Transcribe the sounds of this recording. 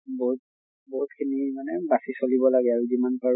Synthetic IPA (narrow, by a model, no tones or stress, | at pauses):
bɔɦut̚ | bɔɦut̚kʰinimanɛbasisolibɔlaɡɛaɹuzimanpaɹ